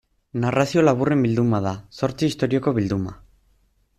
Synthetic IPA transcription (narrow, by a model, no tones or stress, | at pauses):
narasio̞laβure̞mbild̪umaðaso̞ɾt͡siːst̪o̞ɾio̞ko̞βild̪uma̰